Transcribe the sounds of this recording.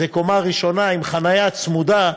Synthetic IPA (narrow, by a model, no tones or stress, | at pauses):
eko̞maʁiʃo̞naimχanajat͡smud̪a